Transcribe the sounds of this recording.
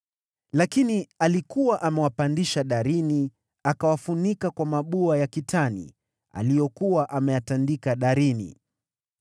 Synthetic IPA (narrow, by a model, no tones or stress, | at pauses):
lakinialikuwaʔamɛwapandiʃaɗaɾini | akawafunikakwamaɓuajakitʰanḭ | a̰lijɔkuwaʔamɛjatandikaɗaɾinḭ